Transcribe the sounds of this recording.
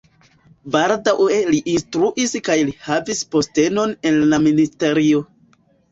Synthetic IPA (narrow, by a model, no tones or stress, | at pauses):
baldawe̞liʔinstɾuʔiskajlihavispo̞ste̞no̞ne̞nlaministe̞ɾio̞